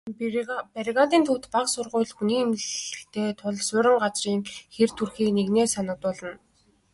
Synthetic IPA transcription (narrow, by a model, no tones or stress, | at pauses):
pæɾʲɣat̪iːnt̪ʰʊːt̪paqsʊrʁʊ̟ːɮxuniːmɮɘ̆xt̪ʰeːt̪ʰʊɮsʊɾʲɪ̆ɴɢat͡sriːŋxert̪ʰurxiːkneɣneːsanə̆k̚t̪ʊːɮə̆n